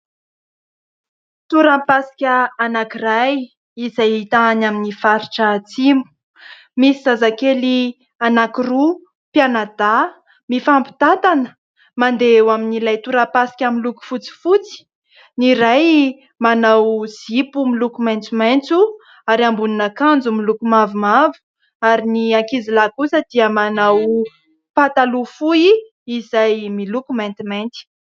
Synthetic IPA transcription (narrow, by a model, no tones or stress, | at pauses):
t̪uɾapasi̥kʲəːnakiraj | izajit̪aanaminifaɾiʈ͡ʂət͡simu̥ | misizazakeli | anakiru | pjanad̪a | mifampi̥t̪at̪anə | mand̪ewaminilajt̪uɾampasi̥kʲamiluku̥fut͡si̥fut͡si̥ | niɾaj | manawz̥ipumilukumajnt͡sumajnt͡su | aɾiambuninakand͡zumilukumavumavu̥ | aɾiniakizilakusəd̪̥iəmanaw | pat̪alufui | izajmilukumant̪imajnt̪i̥